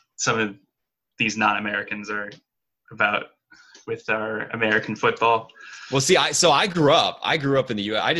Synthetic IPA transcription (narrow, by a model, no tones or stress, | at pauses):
sʌ̃mʌv | ðiznɑ̃ñɨmɛɹɨkɨ̃n̩zə˞ | ʔəbaʊt̚ | wɪð̥aʊə˞ɨ̰mɛɹɨkn̩fʊt̚b̥ɔlˠwɛlˠsiaɪsoʊaɪɡɹuʌp̚a̰ɪɡɹʉʌpɨ̃nðɨjʉa̰ɪd͡ʒ